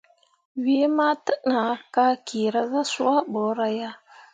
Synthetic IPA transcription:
wi˦ma˦tə˦na˨ka˦ki˨ɾa˦za˦su˦a˦bo˨˦ɾa˦ja˦

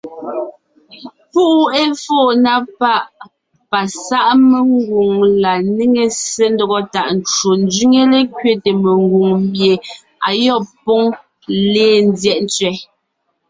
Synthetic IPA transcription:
pu˦ʔe˦foː˦˨na˦pa˦ʔ | pa˨sa˦ʔme˨ŋ˦ɡu˨ŋla˨ni˦ŋe˨se˦n˦dɔ˦ɣɔ˦ta˨ʔn˨t͡ʃo˨n˦d͡zɥi˦ŋe˦le˦kɥe˦te˨me˨ŋɡu˨ŋmbje˨ | a˨jɔ˦˨pɔ˦ŋ | leː˦˨n˦djɛ˦ʔn˦t͡sɥɛ˨˦

